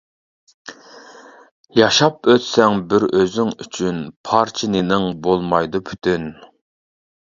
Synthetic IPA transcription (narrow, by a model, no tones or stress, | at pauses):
jɑʃɑpøt̪sɛŋbɪɾøzyŋyt͡ʃʰynpʰɑɾt͡ʃʰɪnɪnɪŋbolˠmɑjd̪upʰy̥t̪ʰyn